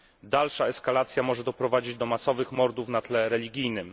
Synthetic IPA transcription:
d̪alʂaɛskalat̪sʲjamɔʐɛd̪ɔpɾɔvad͡ʑid͡ʑd̪ɔmasɔvɘxmɔɾd̪ufn̪at̪lɛɾɛlʲiɡʲijnɘm

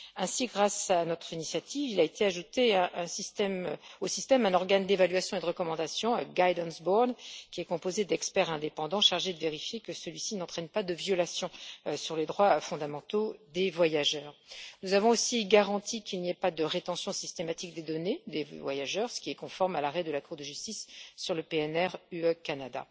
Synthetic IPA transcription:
ɛ̃siɡʁasanɔt̪χinisjat̪ivilaet̪ʰeaʒut̪eɛ̃ʔɛ̃sist̪ɛmosist̪ɛmɛ̃nɔʁɡand̪evalɥasjɔ̃ed̪əʁəkɔmɑ̃d̪asjɔ̃ɡajd̪ɑ̃nsbɔʁnkʲiɛkɔ̃pozed̪ɛkspɛʁɛ̃d̪epɑ̃d̪ɑ̃ʃaʁʒed̪əveʁifjekəsəlɥisinɑ̃t̪χɛnpad̪əvjɔlasjɔ̃syʁled̪ʁwafɔ̃d̪amɑ̃t̪od̪evwajaʒœːʁnuzavɔ̃osiɡaʁɑ̃t̪ʰikʲilniɛpad̪əʁet̪ɑ̃sjɔ̃sist̪emat̪ik̚d̪ed̪ɔned̪evwajaʒœʁsə̥kʲiɛkɔ̃fɔʁmalaʁɛd̪əlakuʁd̪əʒyst̪isːyʁləpeɛnɛʁyøkanad̪a̰

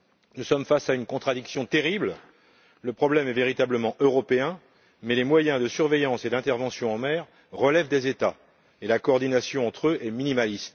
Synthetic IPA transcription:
nusɔmfasaynkɔ̃t̪χad̪iksjɔ̃t̪eʁibl | ləpχɔblɛmɛveʁit̪abləmɑ̃ʔøʁɔpeɛ̃ | mɛlemwajɛ̃d̪əsyʁvejɑ̃sed̪ɛ̃t̪ɛʁvɑ̃sjɔ̃ɑ̃mɛːʁ | ʁəlɛvd̪ezet̪a | elakɔːʁd̪inasjɔ̃ɑ̃t̪χøʔɛminimalist̪

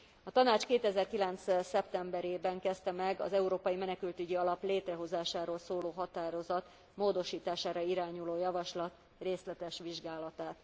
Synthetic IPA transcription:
ɒt̪ɒnaːt͡ʃkeːt̪ɛzɛrkilɛnt̪ssɛpt̪ɛmbɛɾeːbɛŋkɛst̪ɛmɛɡɒ̰zɛuɾoːpɒjimɛnɛkylt̪yɟiɒlɒpleːt̪rɛɦo̞zaːʃaːɾoːlsoːloːɦɒt̪aːɾo̞zɒt̪ | moːd̪o̞ʃiːt̪aːʃaːɾɒiɾaːɲuloːjɒvɒʃlɒt̪ | reːslɛt̪ɛʃʋiʒɡaːlɒt̪aːt̪

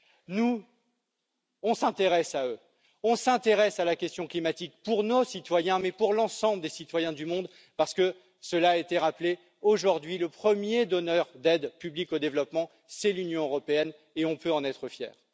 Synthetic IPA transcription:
nu | ɔ̃sɛ̃t̪eʁɛsaø | ɔ̃sɛ̃t̪eʁɛsalakʲɛst̪jɔ̃klimat̪ik̚puʁnosit̪wajɛ̃mɛpuʁlɑ̃sɑ̃bləd̪esit̪wajɛ̃d̪ymɔ̃d̪ | paʁsə̥kə | səlaet̪eʁaple | oʒuʁd̪ɥiləpχəmjed̪ɔnœʁd̪ɛd̪pyblikod̪evlɔpmɑ̃ | sɛlynjɔ̃øʁɔpeɛn | eɔ̃pøɑ̃nɛt̪χəfjɛ̰ːʁ

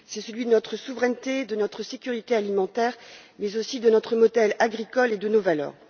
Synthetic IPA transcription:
sɛsəlɥid̪ənɔt̪χəsuvʁɛnt̪ed̪ənɔt̪χəsekʲyʁit̪ealimɑ̃t̪ɛːʁmɛzosid̪ənɔt̪χəmɔd̪ɛlaɡʁikɔled̪ənovalœ̰ːʁ

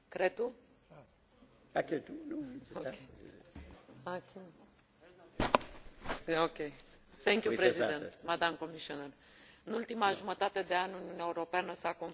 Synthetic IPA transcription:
kɾet̪ːu | keoke | ak | okeθeŋkjupɾezid̪ent̪mad̪amkomiʃioner | ɨnult̪imaʒumət̪at̪ed̪eanʲuniunaeuwɾopeanəsakon

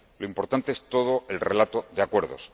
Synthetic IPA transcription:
lo̞impo̞ɾt̪ant̪e̞est̪o̞ð̞oʔe̞lre̞lat̪oðeakwe̞ɾðo̰s

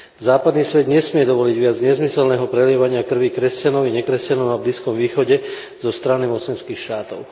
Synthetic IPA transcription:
zaːpad̪niːsʋɛd̪ɲɛsmɪɛd̪ɔʋɔliɟʋɪad͡zɲɛzmisɛlnɛːɦɔpɾɛlɪɛʋaɲɪakr̩ʋikɾɛscanɔʊɛɲɛkɾɛscanɔʊnabliːskɔmʋiːxɔɟɛ | zɔst̪ɾanimɔt͡slɛnskiːxʃt̪aːt̪ɔʊ

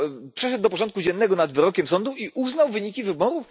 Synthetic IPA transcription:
pʂɛʂɛd̪̚ːɔpɔʐɔnt̪̚kud͡ʑɛnːɛɡɔnad̪vɘɾɔkʲɛmsɔnd̪uiʔuznawvɘɲikʲivɘbɔɾuf

